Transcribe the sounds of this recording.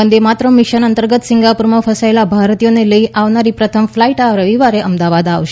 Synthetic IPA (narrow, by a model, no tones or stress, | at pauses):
ənd̪emat̪ɾəmiʃənənt̪əɾɡət̪siŋɡapuɾməfəsaelabʱaɾt̪ijoneləiʔaʋnaɾipɾət̪ʰəmflaiʈaɾəʋiʋaɾeʔəmd̪aʋad̪aʋʃ